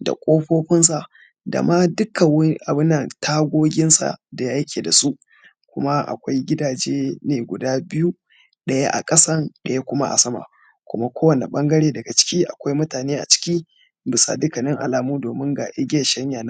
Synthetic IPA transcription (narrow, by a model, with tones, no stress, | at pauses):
da̰˨kʷʼoː˦ɸoː˦ɸɪ˦nsa˨ʔ | da̰˨ma˦dʊ˦kɐ˨wʔa˨bɪ˦nːɐ˨ntʰaː˦ɡʷoː˦ɡʲɪ˦nsa̰˨da˨ja˦jɐ˦kʲeː˨da˨su˦ʔ | kʷʊ˦ma˦ʔa̰˨kʷa˦jɡʲɪ˦daː˨d͡ʒeː˦neː˨ɡʷʊ˨daː˦bɪ˦ju˦ | ɗɐ˦ja˦ʔa̰˨kʼɐ˦sɐ˦nɗɐ˨ja˦kʷʊ˦ma˦ʔa̰˨sɐ˦ma̰˨ | kʷʊ̰˦ma˦kʷoː˦wɐ˨nḛ˨ɓɐ˦ŋɡɐ˦ɽeː˦dɐ˨ɡa˨t͡ʃɪ̥˦kʲiː˦ʔa˨kʷa˦jmʊ˦taː˨neː˦ʔa̰˨t͡ʃɪ̥˦kʲiː˦ | bɪ˨sa̰˨dʊ˦kɐ˨nɪ˦ŋʔa̰˨laː˨muː˦doː˨mɪ˦ŋɡaː˨ʔe˦ɡʲeː˦˨ʃɐ˦ɲjaː˨na˦